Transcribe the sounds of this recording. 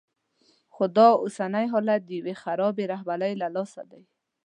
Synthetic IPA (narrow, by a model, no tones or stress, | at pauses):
xʊd̪ɑʊsanajɦɔlat̪̚d̪əjwexaɾɔbeɾaɦbalajlalɑsa̰d̪aj